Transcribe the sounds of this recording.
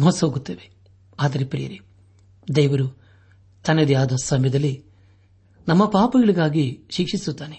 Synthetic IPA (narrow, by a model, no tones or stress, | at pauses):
moːsoːɡut̪ːeːʋe | aːd̪ɐɾepɾɛ̰jɐɾi | d̪ɛjʋɐɾu | t̪ɐned̪jaːd̪ɐsɐmjɐd̪ɐlːi | nɐmːɐpaːpɐɡɐɭiɡaːɡiʃikʂisut̪ːaːne